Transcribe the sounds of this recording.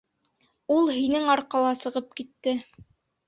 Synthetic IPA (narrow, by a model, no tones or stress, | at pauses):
ulˠɦinɘŋɑɾqɑlˠɑsɤ̆ʁɤp̚kit̪ːɘ